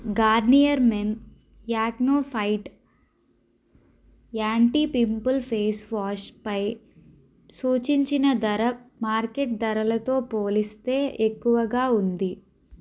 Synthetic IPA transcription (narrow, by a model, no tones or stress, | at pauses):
ɡaːɾnijɐɾmen | jaːɡnoːpʰɐjʈ | aːɳʈiːpimpɐlpʰeːsʋaːʂpɐj | suːt͡ʃiɲt͡ʃinɐd̪ɐɾɐmaːɾkeʈ̚d̪ɐɾɐlɐt̪o̞ːpoːlist̪e̞ːʔekːuʋɐɡaːund̪i